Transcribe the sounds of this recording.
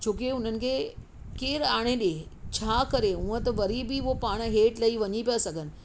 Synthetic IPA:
d͡ʑʰoːk̬eʊn̤ənɪ̆kʰeː | keːɾaːɽ̃eɗet͡ɕʰaːkɐɾeũːə̃t̪ɐʋɐɾibiopaːɽ̃ɦeːʈlɐiʋɐɲipijasɐɡʱənɪ̆

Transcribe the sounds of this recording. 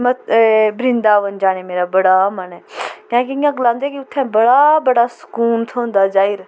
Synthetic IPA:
məbɾɪ̃nd̪aːʋənd͡ʒaːɽ̃eːmeːɾaːbəɽamənɛkãːkiĩjãːɡlãːnd̪eːkiʊt̪ʰːɛ̃bəɽabəɽaːsʊ̥kuːnt̪ʰoʊ̃nd̪aːd͡ʒaːiɾ

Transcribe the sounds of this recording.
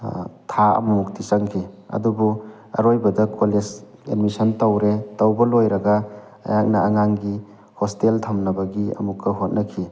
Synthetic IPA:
tʰaɐ̰mumuk̚tisɐŋkʰiɐ̰dubu | ɐ̰ɾojbɐdɐkʰoled͡ʒ | enmisɐntɐwɾetɐwbɐlojɾɐɡɐ | ɐ̰jak̚nɐɐŋaŋɡi | hosteltʰɐmnɐbɐɡiɐ̰mukːɐɦot̚nɐkʰi

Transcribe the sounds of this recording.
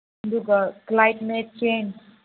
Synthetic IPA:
d̪uɡəklajʈmet͡ʃen

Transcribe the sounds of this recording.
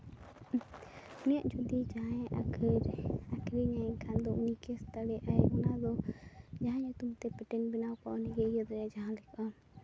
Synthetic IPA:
unijaʔd͡ʒʰud̪id͡ʒaɦãɛ̃ʔa̰kʰəɾakʰɾiɲakʰand̪ɔʔunikɛst̪aɽɛʔajɔnad̪ɔd͡ʒaɦãɲat̪umt̪ɛpɛʈɛnbinawkauniɡɛijɔd̪ɾɛd͡ʒaɦãlɛkʰa

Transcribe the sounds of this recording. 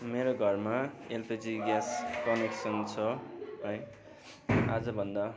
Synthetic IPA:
meɾoɡʱʌrmaelped͡ziɡaskʌneksʌnt͡sʰʌɦʌj | a̰d͡zʌbʱʌnd̪a

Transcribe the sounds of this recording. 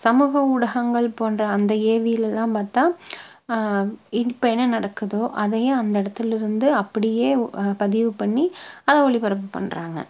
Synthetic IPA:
sɐmuːɣɐʊɽɐɣɐŋɡɐɭpoːnrɐːnd̪ɐeːʋɪjɪlɛlːãːmpaːɾt̪aː | ɪpːɐɛnːɐnɐɽɐkːɯðoːʔɐðɐjɐ̃ɐnd̪ɐɪɽɐt̪ːɪlɪɾɯnd̪ɯɐpːɐɽɪjeːpɐðɪʋɯpɐɳːiɐðɐ̃ɔɭipɐɾɐp̬ːɯpɐ̰ɳːɾaːŋɡɐ̰

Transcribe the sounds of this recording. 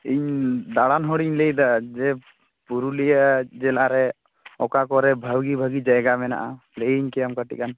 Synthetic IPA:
iɲd̪aɽanɦɔɽiɲlejd̪ad͡ʒɛ | puɾulijad͡ʒɛlaɾɛ | ɔkakɔɾɛbʱəwɡibʱəɡid͡ʒaɛɡamɛna̰ʔa | leiɲkɛjamkəʈḭkan

